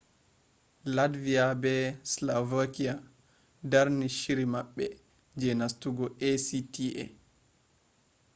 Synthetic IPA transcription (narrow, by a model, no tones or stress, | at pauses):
ladvijabɛslavakia | daɾniʃiɾimaɓːɛ | d͡ʒɛnastuɡɔesitiʔɛ̰